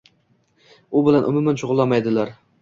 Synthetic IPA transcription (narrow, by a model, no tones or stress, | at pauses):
ʊbɪlanʔʊ̰mʊmanʃʊʁʊlˠːamajd̪ɪlaɾ